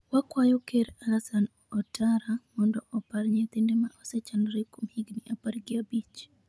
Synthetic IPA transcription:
wakwajɔkɛɾalasan | ɔtaɾamɔndɔʔɔpaɾɲɛt̪indɛmaʔɔsɛt͡ʃanɾikumhiɡniʔapaɾɡiabit͡ʃ

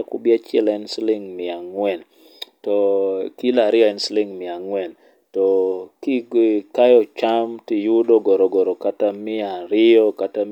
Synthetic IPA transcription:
akubɪat͡ʃɛlɛnslɪŋmɪaŋwɛn | tɔkilaɾɪɔɛnslɪŋmɪaŋwɛn | tɔkiɡkajɔt͡ʃamtijudɔɡɔɾɔɡɔɾokatamɪaɾɪɔkata

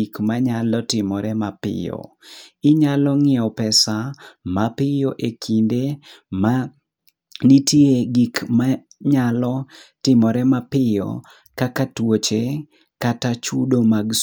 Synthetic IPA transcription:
ikmaɲalɔtɪmɔɾɛmapɪ̰jɔ̰ɪɲalɔŋɪɔpɛsamapɪjoʔekʰindema | nitjeɡikma | ɲalɔtɪmɔɾɛmapɪjɔ̰ | kakatwot͡ʃe | katat͡ʃudomaɡs

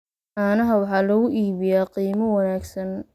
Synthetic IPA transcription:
ʔaːnɐɦɐwɑħɑːlɐɣʊʔiːβɪjaːqiːmɐwɐnaːɡsɐn

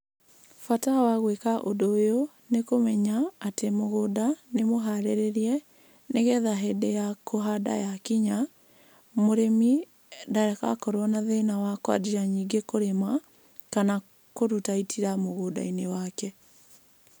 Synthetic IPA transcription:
fatawaɣwekaʔodojo | nekomɛɲaːtemoɣodanemoɦaɾeɾeɾiɛ | neɣɛðaɦedejakʰoɦada̰jakiɲa | moɾemi | daɾaka̰kɔɾwɔnaðenawakwa̰diaɲiɡekoɾema | kana | koɾutaitʰiɾamoɣoda̰inewakɛ

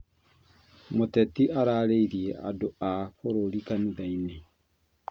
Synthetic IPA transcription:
motɛtiaɾaːɾeiɾiɛʔa̰doafoɾolikaniðaine

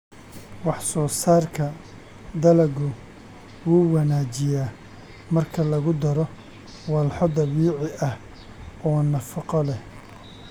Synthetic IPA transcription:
wɑħsɔːsaːrkʰɐ | d̪ɐlɐɣʊ | wuːwɐnaːt͡ʃɪjaː | mɐrkʰɐlɐɣʊd̪ɐɾɔ | wɑlħɔd̪ɐβiːʕɪʔɐh | ɔːnɐfɑqɔlɛh

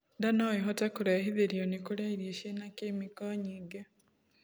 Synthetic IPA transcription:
ndanoeɦɔtakuɾahiðeɾjonikuɾaiɾieʃenakemikɔɲiːɡe

